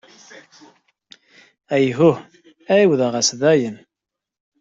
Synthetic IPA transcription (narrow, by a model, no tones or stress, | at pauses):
æjɦʊh | æiwðəʁæsðæjən